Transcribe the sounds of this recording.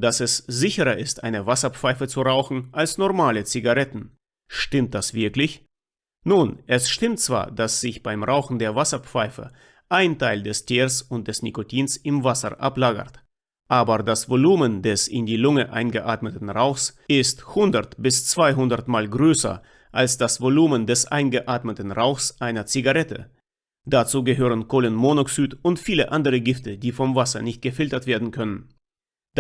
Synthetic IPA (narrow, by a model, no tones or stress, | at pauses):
d̥asɛszɪçəʁɐɪstʔa̰ɪnəvasɐp͡faɪfət͡suʁaʊxn̩ʔalsnɔʁmaːlət͡siɡaʁɛtn̩ | ʃtɪmt̚d̥asv̥ɪɐklɪç | nuːnʔɛsʃtɪmtt͡sv̥a̰ːɐdasz̥ɪçb̥aɪmʁaʊxn̩deːɐvasɐp͡faɪfə̰ | ʔaɪntʰaɪldɛstʰiːʁsʊnt̚d̥ɛsnikotʰiːnsɪmvasɐ̰ʔa̰plaːɡɐ̰t | ʔaːbɐdasv̥oluːməndɛsɪndiːlʊŋəʔa̰ɪnɡəʔaːtmətn̩ʁaʊxsɪsthʊndɐtb̥ɪst͡sv̥aɪɦʊndɐtmaːlɡʁøːsɐ̰ | ʔalsd̥asv̥oluːməndɛsʔa̰ɪnɡəʔaːtmətn̩ʁaʊxsʔaɪnɐt͡siɡaʁɛtə̰ | d̥at͡suːɡəɦøːʁ̞ənkʰoːlənmonoksyːtʊntfiːləʔandəʁəɡɪftədiːfɔmvasɐ̰nɪçt̚ɡ̥əfɪltɐtv̥eːɐdn̩kʰœnən